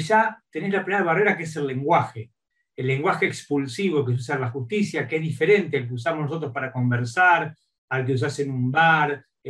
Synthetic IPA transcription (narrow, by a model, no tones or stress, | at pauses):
ʃat̪e̞neszlapɾimeɾaβareɾakees̬e̞lːe̞ŋɡwaxeː | lːeŋɡwaxeːkspulsiβo̞kes̬us̬aɾlaxust̪isjakezðife̞ɾe̞nt̪ealk̬eus̬amonoso̞t̪̬ɾospaɾako̞mbeɾsaɾ | alk̬eus̬asenumbaɾ